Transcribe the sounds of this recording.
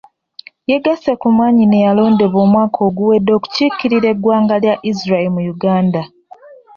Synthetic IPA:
je̞ɡasekumwaːɲinejalo̞ːnde̞βo̞ːmwaːkʰo̞ːɡuwe̞dːo̞ːku̥cikːiɾiɾe̞ɡwaːŋɡaljaʔizɾaemujuɡaːnda

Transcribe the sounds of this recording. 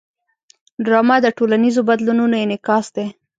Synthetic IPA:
ɖɾɑmad̪əʈolanizobad̪lununojenɪkɑsd̪e

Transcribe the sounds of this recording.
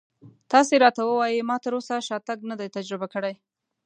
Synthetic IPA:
t̪ɑseɾɑt̪awəwɑjimɑt̪əɾosaʃɑt̪aɡnad̪ajt̪ad͡ʒɾɪbakəɽaj

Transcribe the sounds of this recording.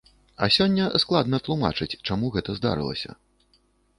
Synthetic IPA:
ɐsʲɔnʲːɐsklˠad̪nɐt̪lˠuma̰t͡ʂɨt͡sʲt͡ʂamuɣɛt̪ɐzd̪a̰ɾɨ̰lˠɐ̰sʲɐ̰

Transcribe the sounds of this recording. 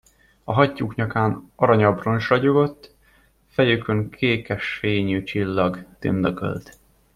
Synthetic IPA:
ɒɦɒcːuːkɲɒkaːnɒɾɒɲɒbronʃrɒɟoɡo̞t̪ː | fɛjykøŋkʰeːkɛʃfeːɲyːt͡ʃilːɒɡt̪ḭnd̪ɒkø̰lt̪

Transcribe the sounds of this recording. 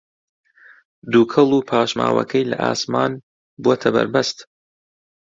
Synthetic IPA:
d̪uːkʰɨlˠuːpʰaːʃma̰ːwɐ̰kʰɐjlɐʔaːsmaːn | buwot̪ʰɐbɐ̰ɾbɐst̪

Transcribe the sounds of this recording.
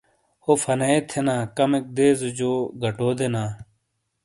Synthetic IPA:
hoːfʰɐneet̪ʰenãːkɐmek̚d̪eːzd͡ʑoːɡʱɐʈoːd̪enaː

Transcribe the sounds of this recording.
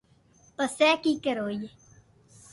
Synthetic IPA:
pəsɛːkiːkəɾoːje

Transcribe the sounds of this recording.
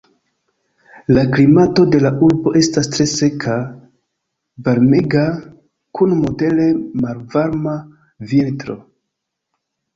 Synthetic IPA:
laklimato̞de̞laʔuɾbo̞ʔe̞stastɾe̞se̞kʰa | vaɾmeɡa | kʰunmo̞de̞le̞malvaɾma | viltɾo̞̰

